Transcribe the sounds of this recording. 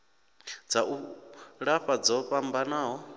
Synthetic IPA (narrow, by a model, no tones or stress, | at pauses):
d͡zaʔuɺaɸad͡zɔɸambanaːɦɔ